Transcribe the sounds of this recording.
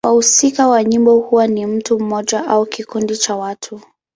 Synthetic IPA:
wahusikawaɲimbɔhuwanim̩tum̩mɔʄaʔaukikundit͡ʃawatʰu

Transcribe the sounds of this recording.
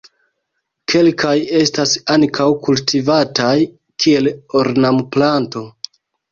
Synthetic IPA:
kʰe̞lkʰaje̞stasaŋkʰawkultivataj | kʰie̞loɾnamplanto̞

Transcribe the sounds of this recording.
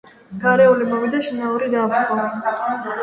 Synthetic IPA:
ɡ̥aɾɛulimɔvid̪aʃinauɾid̪aːpʰt̪χɔ

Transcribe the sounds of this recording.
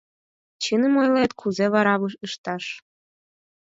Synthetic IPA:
t͡ɕənə̆mojlet̪kʰuzeβɑɾɑβəʃəʃt̪ɑʃ

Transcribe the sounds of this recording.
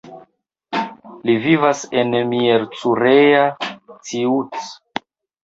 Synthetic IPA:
livivasenmieɾt͡suɾeat͡siut͡s

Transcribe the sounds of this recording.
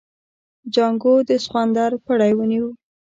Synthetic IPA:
d͡ʒaŋɡod̪əsxwand̪ɑɾpaɽajwəniwu

